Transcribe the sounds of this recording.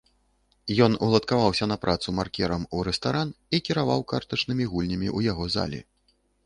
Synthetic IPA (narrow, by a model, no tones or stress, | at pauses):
jɔnulˠɐt̪kavawsʲɐnɐpɾʔat̪sumarkʲɛɾɐmuɾɛst̪aɾanikʲiɾava̰wkart̪ɐt͡ʂnɨmʲiɣulʲnʲɐmʲḭʔujaɣɔza̰lʲḭ